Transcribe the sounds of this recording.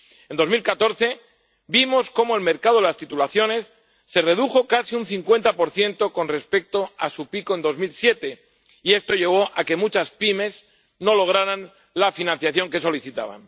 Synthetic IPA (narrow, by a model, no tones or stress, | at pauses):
e̞nd̪o̞zmilkat̪o̞ɾθe̞ | bimo̞sko̞moelme̞ɾkaðoelast̪it̪ulaθjone̞sː | e̞re̞ðuxo̞kasiunθiŋkwe̞nt̪apo̞ɾθje̞nt̪o̞ko̞nre̞spe̞k̚t̪o̞asupiko̞e̞nd̪o̞zmilsje̞t̪e̞ | ie̞st̪o̞ʎe̞β̞o̞ʔake̞mut͡ʃaspime̞s | no̞lo̞ɣ̞ɾaɾan | lafinãn̟θjaθjo̞ŋke̞so̞liθit̪a̰β̞a̰n